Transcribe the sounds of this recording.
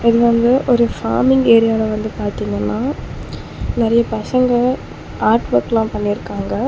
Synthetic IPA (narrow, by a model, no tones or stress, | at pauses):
ɪðɯʋɐnd̪ɯʔɔɾɯfa̰ːɾmɪŋɡeːɾɪjaːlɐʋɐnd̪ɯpaːɾt̪iːŋɡɐnːaː | nɪɾɐjɐpɐsɐŋɡɐ | aːɾʈʋɐɾkːlãːpɐnːɪɾɯkːaːŋɡɐ